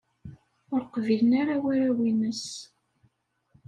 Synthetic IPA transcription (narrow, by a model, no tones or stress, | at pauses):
ʊɾqvilənaɾawæɾawinəs